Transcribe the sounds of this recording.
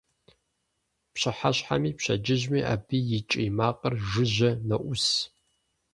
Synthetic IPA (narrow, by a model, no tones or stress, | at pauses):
pɕɪħaɕħa̰miːpɕɐ̰d͡ʒɪʑmiːʔa̰ːbiːjɪt͡ʃʼjmaːqʼɐrʒɨʒɐnɐʔʷʊs